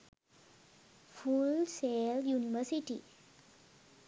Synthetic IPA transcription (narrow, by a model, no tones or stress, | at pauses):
fulseljuniʋəɾsiʈi